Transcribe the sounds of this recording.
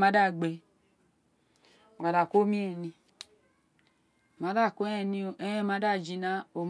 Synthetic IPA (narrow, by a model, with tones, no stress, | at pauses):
ma˦da˦˨ɡ͡be˧˨ | a˨da˨ko˦mi˦e˦˨nĩ˧˨ | ma˨˦da˦˨ko˦ɛ˧ni˧˨e˦e˦ma˨˦a˦˨d͡ʒi˧˦na˦o˨m